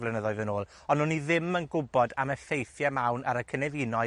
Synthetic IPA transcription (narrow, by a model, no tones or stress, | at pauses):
vlˠɛnəðɔɨðənoːlˠ | ɔnʊniðɪmənɡʊbɔdamɛfejθjamawnʔa̰ɾəkʰənɛvinɔ